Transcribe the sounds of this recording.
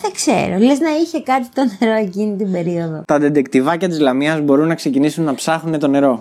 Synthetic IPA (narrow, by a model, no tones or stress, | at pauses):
θɐksḛɾo̰leznɐiçe̞kɐt̪it̪o̞ne̞ɾo̞e̞cinit̪imbe̞ɾio̞ðo̞t̪ɐd̪ed̪ekt̪ivɐcɐt̪izlɐmiɐzbo̞ɾunːɐkse̞cinisunːɐpsɐxune̞t̪o̞ne̞ɾo̞